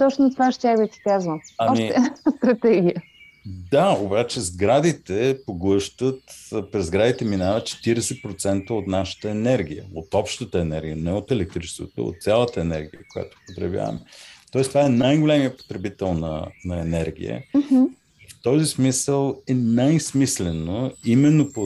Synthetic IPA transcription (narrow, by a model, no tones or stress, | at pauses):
t̪ɔt͡ʃnot̪vaʃt̪ʲabisi̥kazvəɐɔmit̪ɛɛst̪ɾɐt̪ɛɡʲijə | d̪aobat͡ʃɛzɡɾad̪it̪ɛpoɡlˠɤʃt̪ət̪pɾɛzɡɾad̪it̪ɛminavət̪̚t͡ʃɛ̥t̪iɾɛsɛt̪pɾot̪sɛnt̪əot̪naʃə̥t̪əɛnɛɾɡʲijə̰ot̪ɔpʃt̪ət̪əɛnɛɾɡʲijənɛot̪ɛlɛk̚t̪ɾit͡ʃɛ̥st̪o̰t̪o̰o̰t̪sʲjalˠət̪əɛnɛɾɡʲijəkoja̰t̪o̥pot̪ɾɛ̰vja̰və̰mɛt̪ɔɛst̪ovaɛnajɡolɛmijəpo̥t̪ɾɛbit̪ɛlˠnɐ̰nɐɛnɛɾɡ̟ʲḭjə̰ | ft̪ɔzismisəlˠɛnajsmislɛnoimɛnːopo